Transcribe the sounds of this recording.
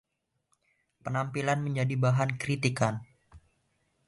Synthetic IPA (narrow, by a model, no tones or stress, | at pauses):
pənampilanməɲd͡ʒadibaɦankɾit̪ikan